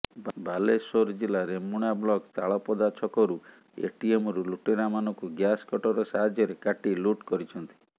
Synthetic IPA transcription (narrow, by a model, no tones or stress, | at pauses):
balesoɾd͡ʒilaɾemuɽ̃ablɔɡt̪aɭɔpɔd̪at͡ʃʰɔkɔɾu | ḛʈiemɔɾuluʈeɾamanɔ̃ŋkuɡjaskɔʈɔɾɔsaɦad͡ʒjɔɾekaʈiluʈkɔɾit͡ʃʰɔnt̪i̥